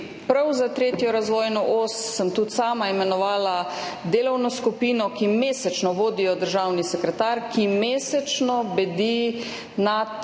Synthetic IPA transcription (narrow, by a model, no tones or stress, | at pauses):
pɾawzat̪ɾeːt̪jɔɾazʋɔːjnɔʔoːsːəmt̪ut̪saːmaimɛnɔʋaːlad̪eːlɔwnɔskupiːnɔkimeːsɛt͡ʃnɔʋoːd̪ijɔd̪əɾʒaːwnisɛkɾɛt̪aːɾkimeːsɛt͡ʃnɔbɛd̪i | na